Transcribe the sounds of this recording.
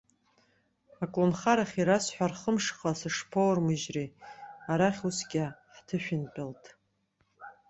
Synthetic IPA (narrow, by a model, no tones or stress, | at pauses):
akʼlonχaɾaχʲiɾasħʷᶣarχəmʂχasɨʂpʰowrmɨʒreaɾaχʲusɡʲʼɪħtʰɨʃʷᶣɪnpʲʼɪltʼ